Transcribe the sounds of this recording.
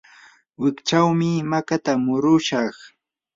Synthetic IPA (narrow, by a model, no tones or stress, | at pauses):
wɪkt͡ʃawmɪmakat̪amʊɾʊʃɑχ